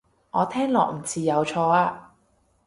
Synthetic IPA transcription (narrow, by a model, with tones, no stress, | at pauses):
ŋʔɔː˨˧t̪ʰɛː˥ŋlɔː˨k̚m̩˨˩t͡sʰiː˨˩jɐ˨˧wt͡ʃʰɔː˧aː˧